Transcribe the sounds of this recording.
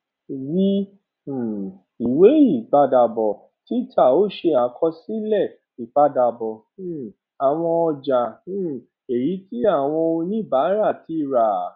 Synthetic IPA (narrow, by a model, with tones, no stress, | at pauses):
wi˦˨ | i˨we˨˦i˦˨ba˧da˨bɔ˨ | ti˦tʰa˦˨o˦ʃe˧a˨kʰɔ˧si˦lɛ˦˨ | i˨ba˧da˨bɔ˨˦ | a˨w̃ɔ̃˧ɔ˧d͡ʒa˨˦ | e˨ɾi˨˦ti˦a˦˨w̃ɔ̃˧o˧nĩ˦˨ba˨˦ɾa˦˨ti˦˨ɾa˨